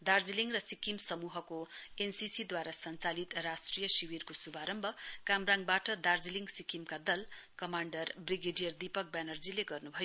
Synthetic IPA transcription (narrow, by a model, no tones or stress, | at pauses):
d̪ard͡ziliŋɡrʌsikimsʌmuɦʌkoensisid̪waɾasʌnt͡salit̪rasʈrijʌsiwirkosubʱaɾʌmbʱʌkamraŋbaʈʌd̪ard͡ziliŋsikimkad̪ʌlkʌmaɳɖʌrbriɡeɖijʌrd̪ipʌk̚bjanʌrd͡zileɡʌrnubʱʌjo